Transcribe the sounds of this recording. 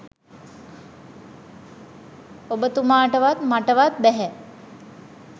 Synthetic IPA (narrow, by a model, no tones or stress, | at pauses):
obət̪umaːʈəʋat̪maʈəʋat̪̚bɛɦɛ